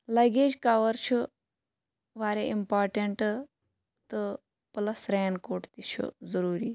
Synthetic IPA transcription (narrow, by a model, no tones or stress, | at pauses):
lɐɡeːd͡ʒkaʋɐɾt͡ʃʰu | ʋaːɾeimpaːɾʈeɳʈ | t̪ɨ | plɐsɾeːɳɖkoːʈt̪it͡ʃʰṵzɐɾuːɾiː